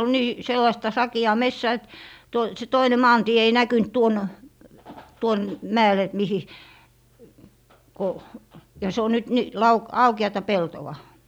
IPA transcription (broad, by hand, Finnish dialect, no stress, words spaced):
ol niː selːɑĭstɑ sɑkiɑː mesːæː et toi se toine mɑːntie ei nækynt tuon tuon mæel et mihi ko jɑ se o nyt ni lɑu ɑukeɑtɑ peltowɑ